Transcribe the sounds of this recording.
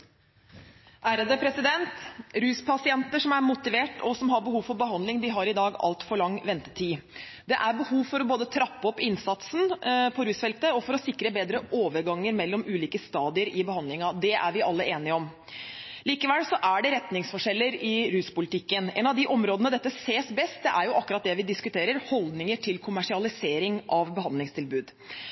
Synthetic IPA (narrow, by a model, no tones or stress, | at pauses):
ʔæːɾəd̪əpʰɾɛsɪd̪ɛnt̪ɾʉːspʰɑsɪɛnt̪əʂɔmæɾmʊt̪ɪʋeːʈɔsɔmɦɑɾbəhuːʋfɔɾbəɦɑnd̪lɪŋd̪ɪɦɑɾɪd̪ɑːɡɑ̰lt̪fɔɭɑŋːʋɛnt̪ə̥t̪ʰiː | d̪ɛʔæɾbəhuːʋfɔɾɔboːd̪ət̪ʰɾɑpːɔpːɪnsɑt̪snpʰɔɾʉːsfɛlt̪əɔfɔɾɔsɪkːɾəbeːd̪ɾəʔoːʋəɾɡɑŋːəɾmɛlːɔmʉːliːkəst̪ɑːd̪ɪəɾɪbəhɑnd̪lɪŋɑd̪ɛʔæ̰ɾʋɪʔɑlːəeːnɪəɔm | liːkəʋɛlsɔʔæɖɛɾɛt̪nɪŋsfɔʂɛlːəɾɪɾʉːspʊlɪt̪ɪkːənɛ̰nɑʋd̪ɪʔɔmɾoːd̪ənəd̪ɛt̪ːəseːsbɛst̪̚d̪ɛʔæɾjʊʔɑkːʉɾɑt̪̚d̪ɛʋɪd̪ɪskʉt̪ʰeːɾəɾhɔld̪nɪŋəʈʰɪlkʰʊmæʂɪɑlɪseːɾɪŋʔɑʋbəhɑnd̪lɪŋst̪ʰɪlbʉːd̪